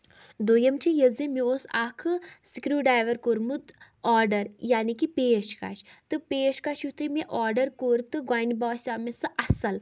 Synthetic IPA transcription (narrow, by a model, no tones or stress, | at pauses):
d̪oːjɐmt͡ʃʰijɐzimiosaːkʰɨsikɾuːɖaːjʋɐɾkoɾmud̪ | ɔːɾɖɐɾjaːnikipeːʃka̰ːʃt̪ɨpeːʃkaʃut̪ʰɨmiʔɔːɾɖɐɾkoɾt̪ɨɡwaːjnbɔːsʲaːmesɨʔɐsɐl